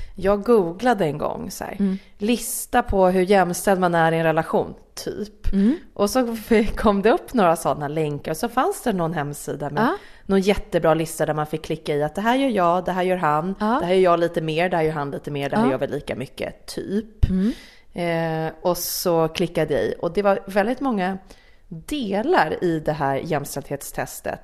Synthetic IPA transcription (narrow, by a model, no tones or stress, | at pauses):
jɑːɡɡuːɡlad̪əɛnɡɔ̰ŋːsæ̰ːɾ | lɪst̪apʰɔɦɵɾjɛmːst̪ɛld̪manæɾɪɛnɾɛlaɧṵːnt̪ʰy̰ːpʔɔsɔkʰɔmːd̪ɛɵpːnoːɾasɔnːalɛŋkaɾɔsɔfansd̪ænɔnɦɛmːsiːd̪amɛnɔnjɛt̪ːəbɾɑːlɪst̪ad̪æɾmanfɪkʰːlɪkːaɪat̪̚d̪ɛɦæːɾjœːɾjɑːd̪ɛɦæːɾjœːɾɦanɛhæɾjœːɾjɑːliːt̪əmeːɾɖɛhæːɾjœːɾɦanliːt̪əmeːɖɛhæɾjœːvɛlːiːka̰mʏkːə̰t̪ʰy̰ːp | ɔsɔkʰlɪkːad̪əəɪ̰ʔɔd̪ɛvaɾvɛld̪ɪt̪mɔŋːa | d̪eːlaɾɪd̪ɛɦæːɾjɛmːst̪ɛld̪heːt̪st̪ʰɛst̪ə̰t̪